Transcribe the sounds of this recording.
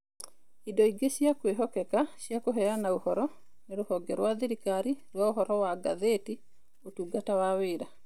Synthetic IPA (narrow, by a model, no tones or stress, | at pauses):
idɔiɡeʃjakweɦɔkɛkaʃjakoɦɛanaohɔɾɔ | neɾohɔɡɛɾwaðiɾikaɾiɾwaoɦɔɾɔwaɡa̰ðeti | otuɡatawaweɾa